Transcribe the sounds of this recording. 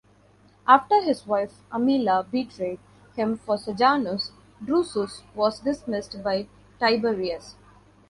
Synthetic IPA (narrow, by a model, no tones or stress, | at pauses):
ʔaːfʈəɾɦɪzʋaɪfʔəmiːlabiːʈɾeːɖ̚ | hɪ̃mfɔɾsəd͡ʒaːnʊs | ɖɾuːsusʋɔːzɖɪsmɪsʈbaɪ | ʈaɪbeɾiəs